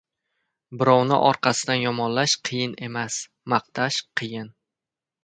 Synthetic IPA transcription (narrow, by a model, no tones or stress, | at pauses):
bɪɾɒwnɪ̰ʔɒɾqʰɑsɪd̪anjɒmɒnlaʃqʰɨjɪne̞mas | mɑq̚t̪ʰaʃqʰɨjɪn